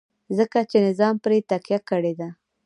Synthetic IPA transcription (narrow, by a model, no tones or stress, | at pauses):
zəkat͡ʃenɪzɑmpɾet̪aqjakəɽed̪a